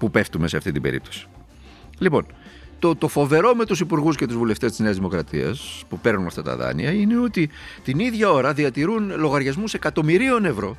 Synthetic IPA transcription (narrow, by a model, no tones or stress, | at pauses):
pupe̞ft̪ume̞se̞ɐft̪it̪ibe̞̰ɾḭp̚t̪osi̥ | lipo̞̰n | t̪ot̪o̞fo̞ve̞ɾo̞me̞t̪usipuɾɣusce̞t̪uzvule̞ft̪e̞st̪izne̞ɐzðimo̞kɾɐt̪ḭɐ̰spupe̞ɾnunɐft̪ɐt̪ɐ̰ðɐ̰nḭɐine̞o̞t̪it̪iniðʝɐo̞ɾɐðiɐt̪iɾunlo̞ɣɐɾʝɐzmuse̞kɐt̪o̞miɾio̞ne̞vɾo̞